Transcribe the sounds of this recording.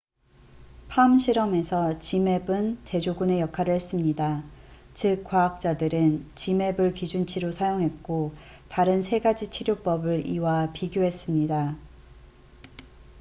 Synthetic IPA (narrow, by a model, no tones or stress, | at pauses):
pʰamɕʰiɾʌme̞sʰʌt͡ɕime̞bɯnte̞d͡ʑoɡune̞jʌkʰaɾɯɭɦe̞s͈ɯmɲida | t͡ɕɯk͈ːwaɦak̚t͡ɕ͈adɯɾɯnt͡ɕime̞bɯɭkid͡ʑunt͡ɕʰiɾosʰajoŋɦe̞t̚k͈o | taɾɯnsʰe̞ɡad͡ʑit͡ɕʰiɾjop͈ʌbɯɾiwapiɡjoɦe̞s͈ɯmɲida